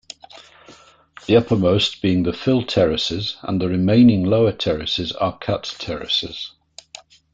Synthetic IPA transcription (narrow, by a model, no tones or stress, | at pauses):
ðiʌpəmoʊsb̥iɪ̃ŋðəfɪlˠtʰɛɹɪsɪzə̰̃nðəɹɪmẽɪ̃nɪ̃ŋloʊətʰɛɹɪsɪzə̰kʰʌtʰɛɹɪ̰sɪ̰z̥